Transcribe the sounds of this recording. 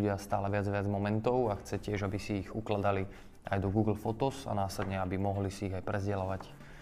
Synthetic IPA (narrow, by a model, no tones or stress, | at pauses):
ɟɪast̪aːlɛʋɪad͡zʋɪad͡zmɔmɛnt̪ɔʊaxt͡sɛcɪɛʒabisiːɣuklad̪ali | ajd̪ɔɡuːɡl̩fɔt̪ɔsa̰naːslɛd̪ɲɛabimɔɦlisiːɣajpɾɛzɟɛlaʋac